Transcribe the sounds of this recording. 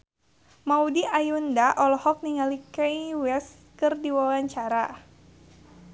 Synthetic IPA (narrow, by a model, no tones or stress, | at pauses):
maudiʔajundaʔɔlɔhɔk̚niŋalikɛjwɛs | kɨrdiwawaɲt͡ʃaɾa